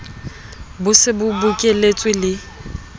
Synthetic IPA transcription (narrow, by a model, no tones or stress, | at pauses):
bʊsɪbʊbʊkʼelet͡sʼwɪlɪ